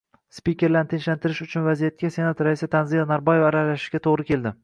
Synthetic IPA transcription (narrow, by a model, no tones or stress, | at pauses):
spikʲe̞ɾlant̪ʰɪnʃlant̪ʰɪɾɪʃʊt͡ʃʰʊnvazijat̪̚kʲase̞nat̪ɾaisat̪ʰanzijanaɾbɒjevaɾalaʃɪ̥ʃɡʲat̪ʰoʁɾɪkʲe̞ld̪ɪ